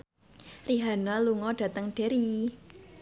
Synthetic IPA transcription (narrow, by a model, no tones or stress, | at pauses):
riɦanaluŋɔɖ̥ä̤t̪əŋɖ̥e̤ɾi